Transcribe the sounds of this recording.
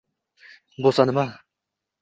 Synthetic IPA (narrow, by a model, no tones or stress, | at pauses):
bosanɪma